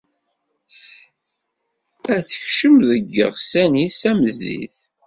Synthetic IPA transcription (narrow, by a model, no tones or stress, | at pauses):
æθəçʃəmðəɡːə̰ʁsænisæməzḭθ